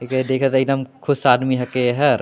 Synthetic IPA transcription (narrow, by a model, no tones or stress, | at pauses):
eked̪eːkʰət̪ɐɪɡd̪əmkʰʊsaːd̪miɦɐkeɦɐɾ